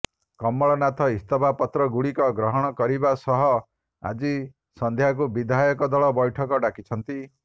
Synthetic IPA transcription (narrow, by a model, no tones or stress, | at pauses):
kɔmːɔɭɔnat̪ʰɔist̪ɔbapɔt̪ɾɔɡuɽikɔɡɾɔɦɔɽ̃ɔkɔɾibasɔɦɔ | a̰d͡ʒi | sɔnd̪ʱjak̬ubid̪ʱajɔkɔd̪ɔɭɔbɔjʈʰɔkɔɖakit͡ʃʰɔnt̪i